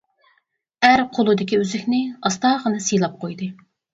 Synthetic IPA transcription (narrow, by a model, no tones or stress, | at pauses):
æɾqʰolˠɨd̪ɪkʲiøzɪkʲnɪɑst̪ɑːʁənɨsijlˠɑp̚qʰojd̪ɨ